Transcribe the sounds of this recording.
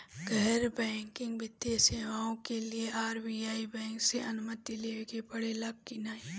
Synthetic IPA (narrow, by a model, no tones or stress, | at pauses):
ɡʱəɦɾbɛ̃ːŋkɪ̃ŋɡbɪd̪jeseːʋaːõkelieʔaːɾbiːaːibɛ̃ːŋkseʔɐnʊmət̪ileːkebɐɽelɐɡ̚kinaːei